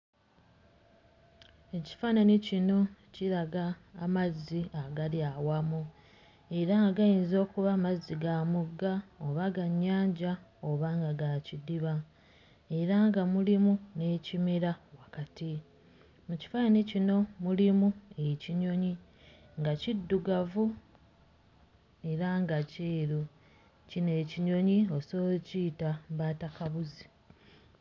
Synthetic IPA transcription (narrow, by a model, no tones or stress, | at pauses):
e̞ci̥faːnanicino̞ciɾaɡaːmazːiaɡaljawamu | e̞ɾaŋɡaɡajiːnzo̞ːkuβamazːiɡamuɡːaoβaɡaɲːaːɲɟaoβaŋɡaɡacidiβa | e̞ɾaŋɡamulimune̞ːcimiɾawakati | muci̥fainecino̞mulimueciɲo̞ɲi | ŋɡacidːuɡavu | e̞ɾaŋɡaciːɾu | cine̞ːciɲo̞ɲio̞soːciːtaβaːtakaβuzi